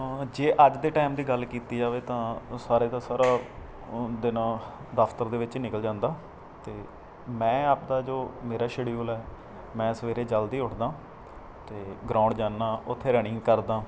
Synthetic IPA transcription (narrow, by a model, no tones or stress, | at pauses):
d͡ʒeːʔəd͡ʒd̪eːʈaːɪmd̪iːɡəlkiːt̪iːd͡ʒaːʋeːt̪ãːsaːɾeːd̪ãːsaːɾaː | d̪ɪnãːd̪əft̪əɾd̪eːʋɪt͡ʃnɪkəld͡ʒãːnd̪aː | t̪eː | mɛ̃ːaːpd̪aːd͡ʒoːmeːɾaːʃeːɽiuːlɛː | mɛ̃ːsəʋeːɾeːd͡ʒəld̪iːʊʈʰd̪ãː | t̪eːɡɾãːʊɳɖd͡ʒaːnːaːʊt̪ʰːeːɾɛːɽɪ̃ŋɡkəɾd̪ãː